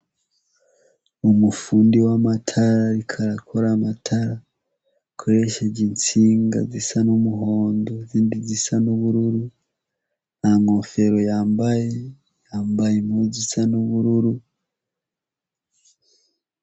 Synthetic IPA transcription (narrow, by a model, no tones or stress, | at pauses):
umufuːndiwamatʰaɾaɾikʰaɾakʰoɾamatʰaɾa | kʰo̞ɾe̞ʃed͡ʒint͡siːŋɡa̰zisanumuɦo̞ːndo̞ziːndizisanuβuɾuɾu | naŋo̞fe̞ɾo̞jaːmbaje | jaːmbajemhuzisanuβuɾuɾu